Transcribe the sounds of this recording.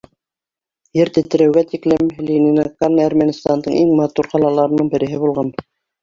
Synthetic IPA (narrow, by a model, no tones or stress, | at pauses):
jɘɾt̪ɘ̆t̪ɘ̆ɾæwɡæt̪iklɘmlʲinʲinɑkːɑnæɾmænʲist̪ɑnd̪ɤɴiŋmɑt̪uɾqɑlˠɑlˠɑɾɤnɤɴbɘ̆ɾɘ̆ɦɘbulˠʁɑn